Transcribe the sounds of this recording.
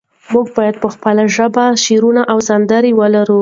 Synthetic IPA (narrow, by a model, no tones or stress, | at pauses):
muɡ̚bɑjad̪̚pəxpəlaʒəbaʃeɾunaʔawzand̪aɾiwəlaɾu